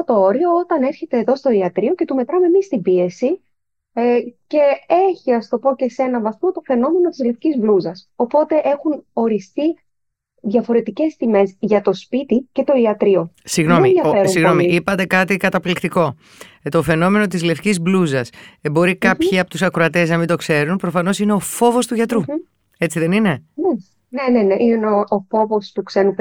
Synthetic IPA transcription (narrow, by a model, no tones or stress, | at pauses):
ot̪o̞o̞ɾio̞ot̪ɐne̞ɾçe̞t̪e̞ːðo̞st̪o̞iɐt̪ɾio̞ce̞t̪ume̞t̪ɾɐme̞mist̪ibie̞si | ce̞eçiɐst̪o̞po̞ce̞se̞nɐvɐθmo̞t̪o̞fe̞no̞me̞no̞t̪izle̞fcizbluzɐso̞po̞t̪e̞ʔe̞xuno̞ɾist̪i | ðʝɐfo̞ɾe̞t̪ice̞st̪ime̞zʝɐt̪o̞spit̪ice̞t̪o̞iɐt̪ɾio̞siɣno̞mieðjɐfeɾumsiɣno̞miipɐt̪e̞kɐt̪ikɐt̪ɐplikt̪iko̞ | t̪ofe̞no̞me̞no̞t̪izle̞fcizbluzɐsebo̞ɾikɐpçiɐpot̪usɐkɾoɐt̪e̞znɐmind̪o̞kse̞ɾunpɾo̞fɐno̞sine̞o̞fo̞vo̞st̪uʝɐt̪ɾu | e̞t͡siðe̞nine̞ne | nene̞neʔinenoofo̞vo̞st̪ukse̞nup